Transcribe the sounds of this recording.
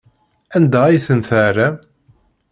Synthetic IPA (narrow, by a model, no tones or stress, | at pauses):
ænd̪æijθənθæɾæ